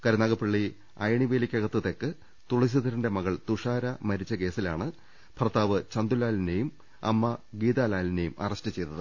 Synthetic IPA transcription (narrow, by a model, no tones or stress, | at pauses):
kɐɾɐnaːɣɐpːiɭːi | ɐjɐɳiʋeːlikʲːɐɣɐt̪ːɐt̪ːe̞kːɨ | t̪uɭɐsiðɐɾunde̞mɐɣɐɭt̪uʂaːɾɐmɐɾit͡ɕːɐke̞ːsilaːɳɨ | pʰrɐt̪ːaːʋɨt͡ɕɐnd̪ulaːline̞jum | ɐ̰mːɐɡiːd̪aːlaːline̞jumɐ̰rɐstɨt͡ɕe̞jt̪ːɐðɨ